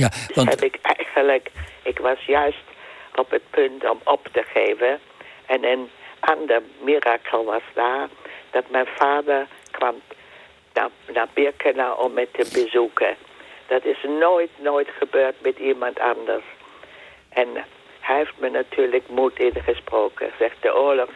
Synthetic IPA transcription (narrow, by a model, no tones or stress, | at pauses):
ahɛ̰bɪkʰɛjɣənləkɪkʋɑsjœɥstʔɔpət̚pʰɵntɔmɔptəχeːvə | ʔɛnənʔɑndəɹmiraːkʰəl̩ˠʋɑsdaːd̥ɑtmɛjnfaːdəɹkʰʋam | na̰naːbɪkʰənaʔɔmɛtʰəbəzukəd̥ɑtɪsnojtnojtχəbøːtmɛtimɑntʰɑndəɹs | ʔɛn | hɛeftmənatʰyːɹləkmutɪnχəsproːkə̰z̥ɛxt̚d̥əʔoːəlɔx